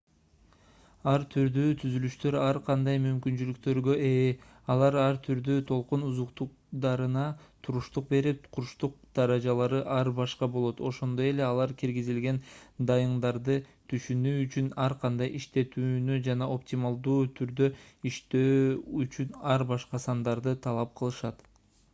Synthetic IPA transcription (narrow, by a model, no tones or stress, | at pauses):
ɑɾt̪ʰyɾd̪yːt̪ʰyzylyʃt̪ø̞ɾɑɾqʰɑnd̪ɑjmymkynt͡ʃylykt̪ø̞ɾɡø̞ʔe | ɑlˠɑɾɑɾt̪ʰyɾd̪yt̪ʰo̞lˠqunuzuqt̪uq̚ | d̪ɑɾɯnɑt̪ʰuɾuʃt̪uq̚be̞ɾip̚qʰuɾʃt̪uq̚d̪̥ɑɾɑd͡ʒɑlˠɑɾɯʔɑɾbɑʃqɑbo̞lˠo̞t̪o̞ʃo̞nd̪o̞je̞le̞ɑlˠɑɾkiɾɡizilɡe̞nd̪ɑjɯɴd̪ɑɾd̪ɯt̪ʰyʃynyːyt͡ʃynɑɾqʰɑnd̪ɑjʔiʃt̪e̞t̪yːnyd͡ʒɑnɑʔo̞pt̪ʲimɑlˠd̪uːt̪ʰyɾd̪ø̞iʃt̪øːyt͡ʃynɑɾbɑʃqɑsɑnd̪ɑɾd̪ɯt̪ʰɑlˠɑp̚qʰɯlˠɯʃɑt̪